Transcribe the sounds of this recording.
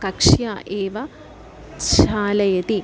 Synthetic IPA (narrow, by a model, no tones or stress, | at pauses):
kɐkʂjaːʔeːʋɐ | ʃaːlɐjɐt̪i